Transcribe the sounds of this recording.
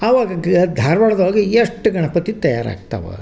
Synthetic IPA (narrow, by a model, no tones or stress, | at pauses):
ɐʋaːɡɐɡd̪ʱaːɾʋɐɭɐd̪ɦoːɡieʂʈːɡɐɳɐpɐt̪it̪ɐja̰ːɾa̰ːɡ̚t̪ɐ̰ʋɐ̰